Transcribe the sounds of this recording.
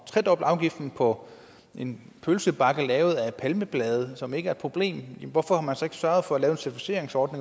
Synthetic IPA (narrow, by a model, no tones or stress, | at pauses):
t͡sʰʁɛd̥ɒ̽b̥lɑ̈ʊɡ̥ifd̥n̩pʰɒ̽ | ʔe̝n | pʰølsəb̥ɑ̈ɡ̥əlɛːʊð̞̩ˠæ̥pʰælməb̥lɛːð̞ˠəsɒ̽me̝ɡ̥əæɐe̝d̥pʰo̝b̥le̝̰ːmjʋɒfɒhɑ̈mænsɒ̽e̝ɡ̥ə̥sɶɐð̞̩ˠfɒ̽ælɛːʊensæɐt͡sʰifi̥se̝ɐ̰eŋsɒːd̥ne̝ŋ